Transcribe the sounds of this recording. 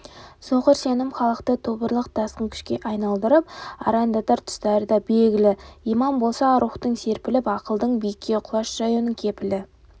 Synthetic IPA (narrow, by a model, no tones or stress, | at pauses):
soqəɾse̞nɪmχɑlˠəqt̪ət̪ʰobəɾlˠəq̚d̪̥ɑsqəŋkʲʰʏ̥ʃkʲe̞ʔɑjnɑlˠd̪əɾəp̚ɑ̰ɾɑnd̪ɑt̪ɑɾt̪ʰʏ̥st̪ɑɾəd̪ɑbe̞lɡʲɪlɪijmɑmbo̞lˠsɑɾuχt̪əɴse̞ɾpɪlɪpɑqəlˠd̪əɴbijkʲʰːe̞qʰʊlˠɑʃʒ̥ɑjunəŋkʲʰe̞pɪlɪ